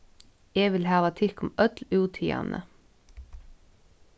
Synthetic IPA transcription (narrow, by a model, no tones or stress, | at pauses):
eːʋɪlhɑːʋɑt̪ʰɪɾkʊmœt̪lʉːt̪ʰiːɑ̰nʔə̰